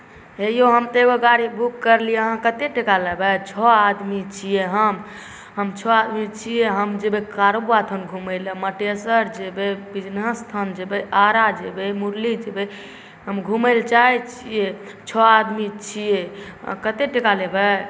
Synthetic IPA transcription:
ɦejoɦəmt̪eɡoɡaɾibʱukːəɾlijeɦãkət̪eʈekalebɛt͡ʃʰɔad̪mit͡ʃʰijeɦəm | ɦəmt͡ʃʰɔad̪mit͡ʃʰijeɦəmd͡ʒebekaɾobat̪ʰənɡʱuməleməʈesəɾd͡ʒebebid͡ʒnəst̪ʰənd͡ʒebeaɾad͡ʒebemuɾlid͡ʒebe | ɦəmɡʱuməɪlt͡ʃajt͡ʃʰije | t͡ʃʰɔad̪mit͡ʃʰijḛkət̪eʈekalebɛ

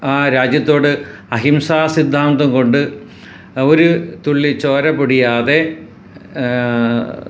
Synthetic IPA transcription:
aːɾaːd͡ʑjɐt̪ːo̞ːɽɨ | ɐɦimsaːsid̪ʱːaːnd̪ɐmko̞ɳɖɨ | oɾut̪uɭːit͡ɕo̞ːɾɐpoɽijaːðe̞

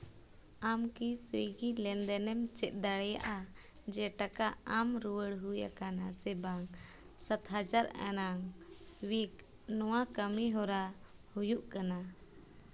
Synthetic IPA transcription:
amkisujɡilɛnd̪ɛnɛmt͡ʃɛt̪̚ˀd̪aɽɛja̰ʔa | d͡ʒɛʈakaamɾuwəɽɦuja̰kanasɛbaŋ | sat̪ɦad͡ʒaɾa̰naŋwik | nɔwakəmiɦɔɾa | hujuʔkana

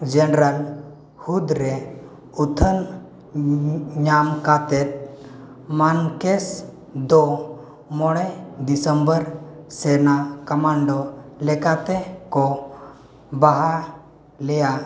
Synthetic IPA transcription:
d͡ʒɛnɾəl | hud̪ɾɛ | ut̪ʰən | ɲamkat̪ɛt̪̚ | mankɛs | d̪ɔ | mɔɽ̃ɛd̪isəmbəɾsɛnakəmaɳɖɔlɛkat̪ɛkɔ | baɦa | lɛja

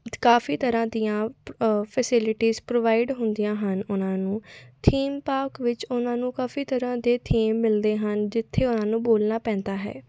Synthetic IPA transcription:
kaːfiːt̪əɾãːd̪ijãːpʰɛsɪlɪʈiːzpɾoːʋaːɪɖɦʊnd̪ijãːɦənʊnãːnũːt̪ʰiːmpaːɾkʋɪt͡ʃʊnãːnũːkaːfiːt̪əɾãːd̪eːt̪ʰiːmːɪld̪eːɦənd͡ʒɪt̪ʰːeːʊnãːnũːboːlnaːpɛ̃ːnd̪aːɦɛ̰ː

